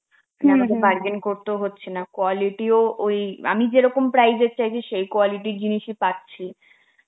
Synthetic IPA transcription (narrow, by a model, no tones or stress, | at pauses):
ɛmad̪ebaɾɡenkoɾt̪eoɦotːɕʰenakoɔliʈioʔoja̰mid͡ʑeɾɔkompɾajzet̪̚t͡ɕajt͡ɕʰiʃejkoɔliʈiɾd͡ʑiniʃipatːɕʰi